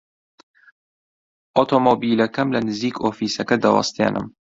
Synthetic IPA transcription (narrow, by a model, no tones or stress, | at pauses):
ʔot̪ʰoːmoːbiːlɐkɐmlɐnɨziːkoːfiːsɐkɐd̪ɐwɐ̰st̪ḛnʔɨ̰m